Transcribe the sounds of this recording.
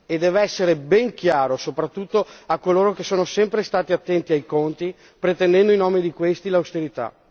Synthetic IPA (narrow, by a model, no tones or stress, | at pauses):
ed̪ːɛːveɛsːeɾebɛŋkjaːɾosopɾat̪ːut̪ːoakːoloːɾokesːoːnosɛmpɾest̪aːt̪iat̪ːɛnt̪iajkont̪i | pɾet̪ɛnd̪ɛnd̪oinoːmed̪ikwest̪ilawst̪eɾit̪a̰